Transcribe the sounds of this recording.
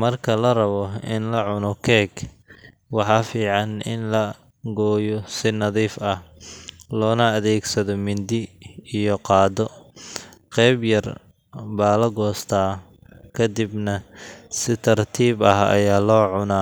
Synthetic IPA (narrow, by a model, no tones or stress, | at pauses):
mɐrkʰɐlɐrɐβɔɪnlɐʕʊnɔkʰɛːɡ | wɑħɑːfiːʕɑnʔɪ̰nlɐ | ɡɔːjɔsɪnɐðiːfɐh | lɔːnɐːðɛːɡsɐðɔmɪnd̪ɪijɔqɑːd̪ɔ | qɛjbjɐr | baːlɐɡɔːst̪ʰaː | kʰɐd̪ɪbnɐsɪt̪ʰɐrt̪ʰiːbɐɦɐ̰jaːlɔːʕʊnaː